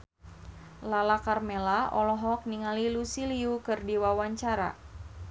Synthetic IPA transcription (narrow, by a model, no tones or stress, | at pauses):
lalakarmelaʔɔlɔɦɔk̚niŋalilusiliukɨrdiwawaɲt͡ʃaɾa̰